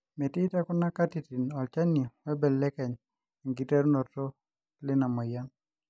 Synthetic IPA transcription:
mɛ˨ti˦ta˦kʊ˦na˦ka˦ti˨ti˨nɔ˨lt͡ʃa˦ni˨wɛ˦bɛ˨lːɛ˦kɛ˨ɲ˨ | ŋɡi˨tɛ˦ɾnɔ˨tɔ˦ | lɪ˦na˨mɔ˨ja˦n

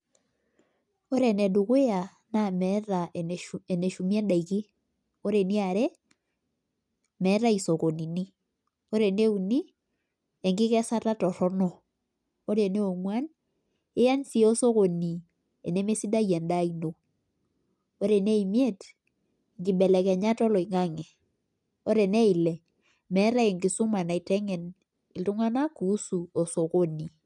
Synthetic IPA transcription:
o˦ɾɛ˨nɛ˨du˨kwe˦a˨ | na˦˨mɛ˨˦ɾa˨e˨ne˨ʃu˨m˦ɛ˦nda˨i˨ki˦ | o˦ɾe˨ni˦a˨ɾɛ˦ | mɛ˨˦ɾa˦i˨so˨ko˨ni˨ni˦ | o˦ɾe˨ne˦u˨ni˦ | ɛ˨ŋɡɪ˦kɛ˦sa˦ta˦tɔ˨ɾɔ˦nɔ˨ | o˦ɾe˨ne˦o˨mwa˦n | ɪ˦ja˦nsi˦o˦so˦ko˨ni˨ | e˨ne˦me˦si˦da˦jɛ˨nda˦i˨no˨ | o˦ɾe˨ne˦i˨mi˦e˦t | ŋɡɪ˨bɛ˨lɛ˨kɛ˨ɲa˦tɔ˦lɔ˨i˨ŋa˦ŋɛ˨ | o˦ɾe˨ne˦ɪ˨lɛ˨ | mɛ˦ɾa˦ɛ˨ŋɡɪ˨sʊ˦ma˨na˨i˨tɛ˦ŋɛ˨n | ɪ˨ltu˦ŋa˦na˦ku˨˦su˨o˨so˨ko˦ni˨

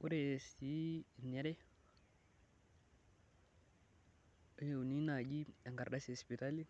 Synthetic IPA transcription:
u˦ɾe˨si˦˨ne˦ɾe˦ | je˨u˨ni˦na˨d͡ʒi˦a˨ŋɡa˨ɾda˦si˨spi˨ta˦li˦

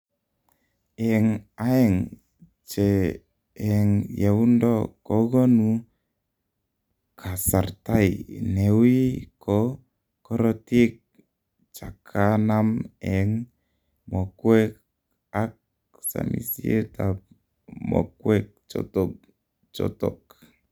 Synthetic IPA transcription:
ɛ˨ŋaɛ˦ŋ | t͡ʃeː˨ | ŋje˨u˦ndɔkɔ˦ɡɔ˦nu˧ | kʰa˨sa˨rta˦jne˨wi˦kɔ˦ | kɔ˦ɾɔte˦k̚ | t͡ʃa˨kʰanamɛŋ | mɔ˨kwɛ˦k | ak̚ | sa̰˨mḭ˨si˦e˦tap | mɔ̰˨kwɛk̚t͡ʃɔ̰tɔk | t͡ʃɔ̰tɔ̰k

